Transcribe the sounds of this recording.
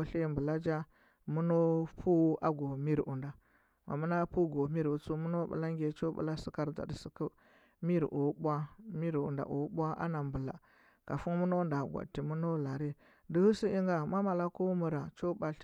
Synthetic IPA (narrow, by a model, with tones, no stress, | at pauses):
ɬe˦˨mbə˨la˦d͡ʒa˦ | mu˦no˦pʰu˦a˦ɡo˨mi˦ɾʔu˨nda˨ | ma̰˨mu˦na˦pu˦ɡo˨mi˦ɾu˨˦t͡su˦mu˦no˦ɓə̰˨la˦ŋɡʲe˨t͡ʃo˦ɓṵ˨la˦si˦ka˦ɾd͡za̰˨dsi˨kə˦ | mi˦ɾ̰ʔu˨˦bʷa˦mi˦ɾṵ˨nda̰˨ʔṵ˨˦ɓʷa˦ʔa̰˦na˨mbə˨la̰˨ | ka˨fu˦nmu˦no˦nda˨ɡʷa̰˨tːi˨mu˦no˦la˨ɾi˦ | də˦hu˦si˦i˦ŋɡa˨ma˦ma˨la˦ku˦mu˨ɾa˨t͡ʃo˦ba˨ɬ